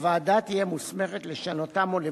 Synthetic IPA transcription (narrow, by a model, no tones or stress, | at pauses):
vaːdat̪ijemusme̞χet̪le̞ʃanot̪amo̞le